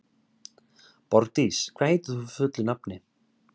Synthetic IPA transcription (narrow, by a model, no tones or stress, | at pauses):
pɔɾt̪iskʰɾaːjt̪ɪðufʏt̪lʏnapnɪ